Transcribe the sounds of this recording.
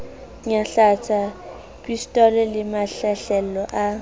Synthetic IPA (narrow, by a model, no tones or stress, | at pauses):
ɲaɬat͡sʰa | pʼistʼɔlɛlɪmaɬɛɬɛlɔʔa